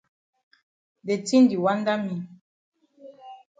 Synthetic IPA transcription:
de˨ti˦n˦di˨wa˦nda˦mi˨

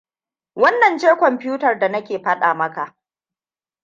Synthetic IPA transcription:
wɐ˦nːɐ˨nd͡ʒeː˦kʷɔ˨mpɪ˦uː˦tɐ˨rda˨nɐ˦kʲeː˨ɸɐ˦ɗaː˨mɐ˦ka˨ʔ

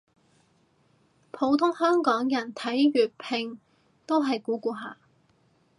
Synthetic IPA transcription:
pʰo˨˥wt̪ʰʊ˥ŋhœː˥ŋkɔː˨˥ŋjɐ˨˩nt̪ʰɐ˨˥jɥyː˨t̚pʰɪ˧ŋ | t̪o˥wɦɐ˨jkuː˨˥kuː˧ɦaː˨˩

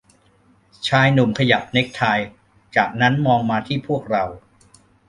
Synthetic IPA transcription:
t͡ɕʰaː˧jnu˨˩mkʰa˧ja˨˩p̚ne˦˥k̚t̪ʰaː˧j | t͡ɕaː˨˩k̚na˦˥nmɔː˧ŋmaː˧t̪ʰiː˥˩pʰu˥˩ək̚ɾa˧w

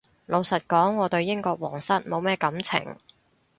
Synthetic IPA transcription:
lo˨˧wsɐ˨t̚kɔː˨˥ŋːɔː˨˧t̪ɵ˧ɥjɪ˥ŋkɔː˧k̚wɔː˨˩ŋsɐ˥t̚mo˨˧wmɛː˥kɐ˨˥mt͡sʰɪ̰˨˩ŋ

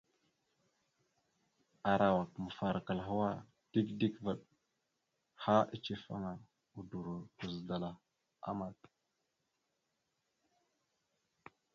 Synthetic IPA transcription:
a˨ɾa˨wa˨k̚mə˨fa˨ɾa˨ka˨lɦa˦wa˦ | d̥i˦kdi˦kvə˨ɗ | ha˦i˦t͡ʃe˦fa̰˦ŋa˨ | u˨du˨ɾu˨u˨zda˨la˨ | a̰˦ma˨t

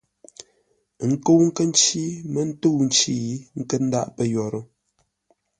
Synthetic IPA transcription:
ŋ̩˦ko˦wŋ̩˦kə˦n̩˦t͡ʃi˦mə˦n̩˦to˦wn̩˦t͡ʃi˦i˦ŋ̩˦kə˦n̩˦da̰˦ʔpə˦˨jɔ˨ɾə˦

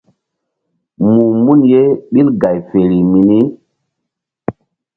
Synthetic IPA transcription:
mu˨mu˦nje˦ɓi˦lɡa˨jfe˨ɾi˨mi˨ni˦

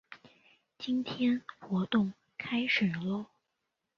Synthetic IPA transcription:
t͡ɕi˥nt̪ʰjɛ˥nxwɔ˧˥t̪ʊ˥˩ŋ | kʰa˥ɪʂe˨˩lwɔ˥˩

